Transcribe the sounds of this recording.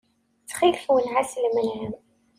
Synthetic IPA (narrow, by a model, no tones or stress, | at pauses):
t͡sːχilfwənʕasəlmənʕəm